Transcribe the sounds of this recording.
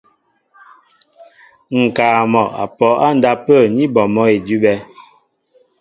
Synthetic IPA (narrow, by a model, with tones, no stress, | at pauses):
ŋ̩˨kaː˨mɔ˨a̰˨pɔ˨˦a˦n̩˨da˦pə˦˨ɲi˦bɔ˨mɔ˦e˨dʉ˦bɛ˦